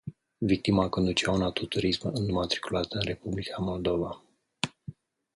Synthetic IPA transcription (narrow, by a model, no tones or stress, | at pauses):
vik̚t̪imakond̪ut͡ʃawunat̪ot̪uɾismɨnumat̪ɾi̥kulat̪əɨnre̞publikʰamo̞ld̪o̞va